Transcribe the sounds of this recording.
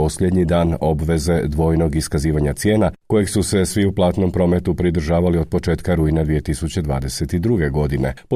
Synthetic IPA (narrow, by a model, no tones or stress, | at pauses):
o̞sʎed̪ɲid̪aːno̞bʋe̞ze̞d̪ʋo̞jno̞ɡiskaziːʋaɲat̪sje̞ːnako̞jeɡsuse̞sʋiuplˠaːt̪no̞mpɾo̞ːme̞t̪upɾid̪ɾ̩ʒaːʋalio̞d̪̚po̞t͡ʃe̞ːt̪kaɾuinad̪ʋije̞t̪isut͡ɕe̞d̪ʋa̰ːd̪e̞se̞t̪id̪ɾuɡe̞ɡo̞d̪ine̞̰po